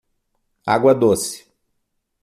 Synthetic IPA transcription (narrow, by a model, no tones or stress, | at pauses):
a̰ɡwɐd̪osɪ̥